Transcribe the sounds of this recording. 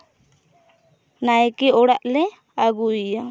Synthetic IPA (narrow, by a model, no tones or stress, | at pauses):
najkɛɔɽaʔlɛ | aɡuija